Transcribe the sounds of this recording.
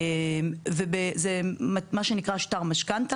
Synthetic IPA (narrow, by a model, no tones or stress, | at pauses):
emvebezemmaʃenikʁaʃtaʁmaʃkant̪a